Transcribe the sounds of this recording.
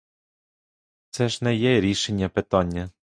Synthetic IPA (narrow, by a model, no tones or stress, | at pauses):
t̪sɛʒnɛjɛɾʲiʃenʲːɐpet̪ɔnʲːɐ